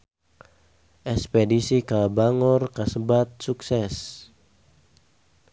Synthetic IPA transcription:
ʔɛspedisikabaŋɔrkasəbat̪̚suksɛs

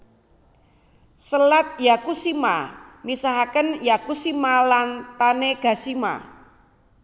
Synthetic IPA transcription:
səlat̪̚jakusimamisaɦakənjakusimalant̪aneɡ̥a̤sima̰

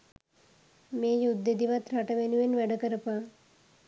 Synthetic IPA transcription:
meːjud̪ːed̪iʋat̪ɾaʈəʋenuʋenʋæɖəkəɾəpa

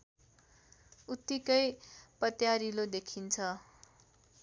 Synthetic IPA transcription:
ut̪ːikʌjpʌt̪jaɾilod̪ekʰint͡sʰʌ

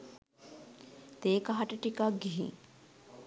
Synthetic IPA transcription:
t̪eːkaɦaʈəʈikakɡiɦḭ̃ŋ

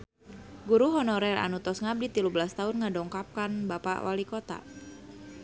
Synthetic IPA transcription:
ɡuɾuɦɔnɔɾɛla̰nut̪ɔsŋab̚dit̪ilubəlast̪aɦʊnŋadɔŋkap̚kanbapa̰wa̰likɔt̪a̰

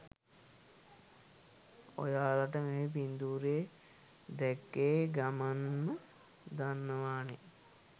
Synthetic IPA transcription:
o̰jaːlaʈəŋeip̬ind̪uːɾe | d̪ɛkːeːɡamanmə | d̪anːəʋaːne

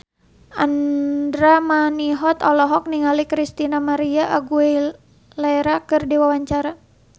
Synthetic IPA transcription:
andɾamaniɦɔt̪ɔlɔɦɔk̚niŋalikɾist̪inamaɾiaʔaɡue | laeɾakərdiwawaɲt͡ʃaɾa

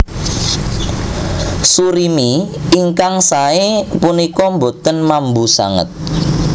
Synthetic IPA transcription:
suɾimiiŋkaŋsaepunikɔmbot̪ənmambusa̰ŋə̰t̪̚

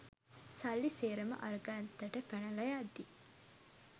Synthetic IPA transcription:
sɐlːiseːɾɐmɐ̰ʔɐɾɡaːnt̪ːɐʈəkɐnɐlɐjaːd̪i

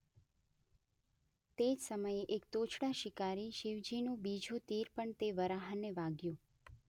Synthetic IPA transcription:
t̪ed͡ʒsəməjeʔek̚t̪ot͡ʃʰɽaʃɪkaɾiʃiʋd͡ʒinũbid͡ʒʱut̪iɾpəɳt̪eʋəɾaɦənːeʋaɡjũ

